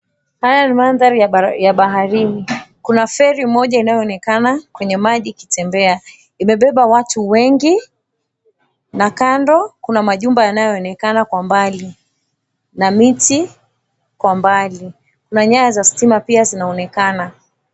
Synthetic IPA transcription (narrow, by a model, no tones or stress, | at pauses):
hajanimanðaɾijaɓaɦaɾinikunafɛɾimmɔʄainajɔːnɛkanakwɛɲɛmaʄikitɛmbɛa | imɛɓɛɓawatuwɛŋɡi | nakandɔkunamaʄumbajanajɔɔnɛkanakwambali | namiti | kwambali | kunaɲajazastimapiazinaɔnɛkana